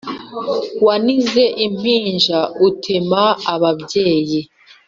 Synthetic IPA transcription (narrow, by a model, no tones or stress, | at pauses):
wanize̞ʔim̥iːnʒautʰemaaβabɟe̞ːji